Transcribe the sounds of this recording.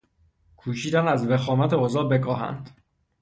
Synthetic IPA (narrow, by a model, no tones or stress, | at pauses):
kʰuːʃiːd̪ænæzvexɒːmæt̪ʰeozɒːbekʰɒːɦæ̰nd̪̥